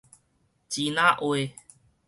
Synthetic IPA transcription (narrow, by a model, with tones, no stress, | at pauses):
t͡ɕi˨nã˦ʔwe˧˨